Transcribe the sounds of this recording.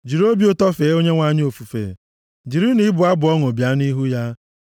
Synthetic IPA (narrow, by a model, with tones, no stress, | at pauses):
d͡ʒi˨ɾo˦bi˨˦o˦tɔ˦feː˨˦o˦ɲe˦ŋʷa˨ɲ˦o˨fu˨fḛ˨ | d͡ʒi˨ɾi˦ni˦bʊ˨a˦bʊ˨ɔ˦ŋo˨bja˦ni˦ɦu˦ja˦